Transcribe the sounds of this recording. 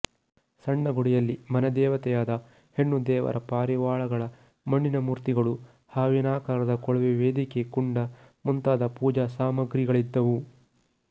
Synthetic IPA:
sɐɳːɐɡuɽijɐlːimɐnɐd̪ɛːʋɐt̪ɛjaːd̪ɐ | heɳːud̪ɛːʋɐ̰ɾʔɐpaːɾiʋaːɭɐɡɐɭɐ | mɐɳːinɐmuːɾt̪iɡɐɭu | haːʋinaːkaːɾɐd̪ɐkɔɭʋeʋeːd̪ikekuɳɖɐ | munt̪aːd̪ɐpuːd͡ʒɐsaːmɐɡɾiɡɐɭid̪ːɐʋu

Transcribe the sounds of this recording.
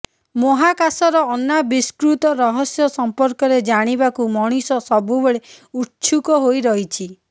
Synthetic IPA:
moɦakasɔɾɔːnːabiskɾut̪ɔɾɔɦɔsjɔsɔmpɔɾkɔɾed͡ʒaɽ̃ibakumɔɽ̃isɔsɔbubeɭeutt͡ʃʰukɔɦojɾɔɦit͡ʃʰi

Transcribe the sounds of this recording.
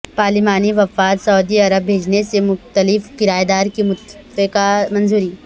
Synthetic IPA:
paːlɪmaːniʋɐfaːt̪sɐʊd̪iɐɾəbːʱeːd͡ʒnesemʊxt̪əlɪfkɪɾaːjed̪aːɾkimʊ | ekamɐ̃nzuːɾiː

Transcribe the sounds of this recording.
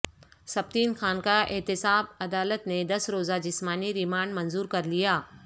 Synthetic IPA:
sɐb̚t̪iːnxaːnkaʔɪɦt̪ɪsaːb̚ɐd̪aːlət̪ned̪ɐsɾoːzad͡ʑɪsmaːniɾɪmaːɳɖmɐnzuːɾkɐɾlijaː

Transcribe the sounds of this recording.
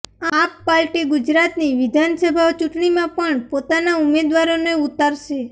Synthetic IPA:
apːalʈiɡʊd͡ʒɾat̪niʋɪd̪ʱansəbʱaot͡ʃʊʈɳimãpəɳpot̪anaʊmed̪ʋaɾoneut̪aɾʃe

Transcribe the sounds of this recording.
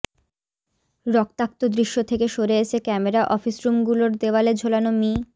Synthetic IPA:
ɾɔk̚t̪ak̚t̪od̪ɾiʃːot̪ʰekeʃoɾeeʃʰekɛmeɾaʔɔfisɾumɡuloɾd̪eoaled͡ʑʱolanomi

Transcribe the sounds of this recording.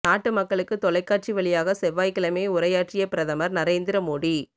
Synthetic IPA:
naːʈːɯmɐkːɐɭɯkːɯt̪ɔɭɐɪkːaːʈ̚t͡ʃiʋɐɭɪjaːɣɐsɛʋːaːjkɪɭɐmeːʊɾɐjaːʈt͡ʃɪjɐpɪɾɐðɐmɐɾnɐɾeːnd̪ɪɾɐmoːɽi

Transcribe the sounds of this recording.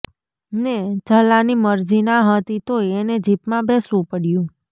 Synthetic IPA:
ned͡ʒəlaniməɾd͡ʒinaɦət̪it̪oned͡ʒipmãbesʋũpəɽjũ

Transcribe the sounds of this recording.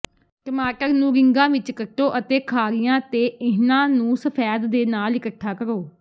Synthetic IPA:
ʈəmaːʈəɾnũːɾɪŋɡãːʋɪt͡ʃkəʈːoːʔət̪eːkʰaːɾɪjãːt̪eːɪɦnãːnũːsəpʰɛːd̪ːeːnaːlɪkəʈʰːaːkəɾoː

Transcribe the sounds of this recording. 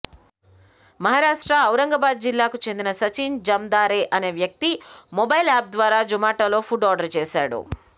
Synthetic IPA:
mɐɦaːɾaːʂʈɾɐːwɾɐŋɡɐbaːd̪̚d͡ʒilːaːkut͡ʃend̪inɐsɐt͡ʃiːnd͡ʒɐmd̪aːɾeːʔɐne̞ːʋjɐk̚t̪imobɐjlaːp̚d̪ʋaːɾaːd͡ʒumaːʈɐlo̞ːpʰuɖaːɖɐɾt͡ʃeːʃa̰ːɽṵ

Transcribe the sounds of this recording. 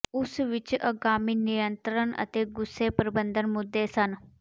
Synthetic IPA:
usʋit͡ʃʔəɡamiːnijənt̪ɾəɳə̰t̪eɡusepəɾibənd̪ʱənmud̪ːesan

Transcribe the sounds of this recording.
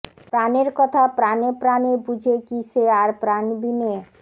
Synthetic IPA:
pɾaneɾkət̪ʰapɾanepɾanebud͡ʒʱekiseaɾpɾanbʱine

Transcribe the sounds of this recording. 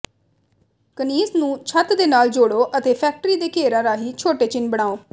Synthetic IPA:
kəniːznũːt͡ʃʰət̪d̪eːnaːld͡ʒoːɽoːʔət̪eːpʰɛːk̚ʈɾiːd̪eːkeːɾãːɾaːɦiːt͡ʃʰoːʈeːt͡ʃɪnbəɽ̃aːoː

